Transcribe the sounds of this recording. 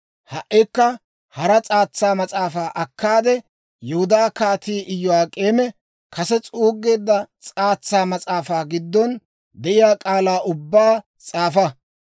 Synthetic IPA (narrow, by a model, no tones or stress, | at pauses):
hɐʔɪkːɐ | hɐɾɐt͡sʼaːt͡sːaːmɐt͡sʼaːfaːʔɐkːaːd̪ɛ | jɛhʊd̪aːkaːt̪iːʔɪjːɔwaːkʼe̞ːmɛ | kʰɐsɛt͡sʼuːɡːe̞ːd̪ːɐt͡sʼaːt͡sːaːmɐt͡sʼaːfaːɡɪd̪ːɔn | d̪ɛʔɪjaːkʼaːlaːʔʊbːaː | t͡sʼaːfɐ